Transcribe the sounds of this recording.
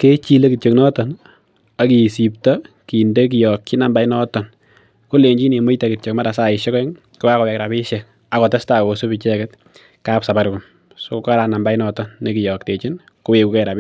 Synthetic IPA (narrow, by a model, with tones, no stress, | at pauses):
ke˦t͡ʃi˦le˦ki˨tt͡ʃo˨knɔ˦tɔ˨n | a˨ki˨si˨p̚tɔ˦ | ki˨nde˦k̬i˨jɔ˨kt͡ʃi˦na˨mba˦jnɔ˦tɔ˨n | ko˦le˨ɲd͡ʒi˦ne˨mo˦ta˨ki˨tt͡ʃo˨kma˦ɾa˨sa˦ɪ˨ʃe˦kɔ˦ŋ | ku˦wa˦kɔ˨wɛ˨kɾa˨bi˦ʃɛk̚ | a˨kɔ˨te˦sta˨ko˨so˦pi˨t͡ʃɛ˦kɛt̚ | ka˦psa˨ba˦ɾku˨m | so˦kɔ˦ka˦ɾa˨na˨mba˦jnɔ˦tɔ˦nːe˦ki˨jɔ˨kte˨t͡ʃi˦n | ko˦we˨ku˨kɛ˦ɾa˨pi˦